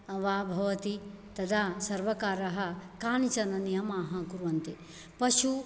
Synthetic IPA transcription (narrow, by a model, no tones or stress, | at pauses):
ɐʋaːbʱɐʋɐt̪i | t̪ɐd̪ʰʱaːsɐɾʋɐkaːɾɐɦɐkaːnit͡ʃɐnɐnijɐmaːɦɐkuɾʋɐnt̪e | pɐʃu